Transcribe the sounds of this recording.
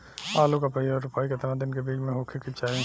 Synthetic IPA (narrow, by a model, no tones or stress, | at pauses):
aːlukapəiɔɾʊpaːiket̪ɐɾãd̪ɪnkebiːd͡ʒmẽɦoːkʰikit͡ʃaːĩ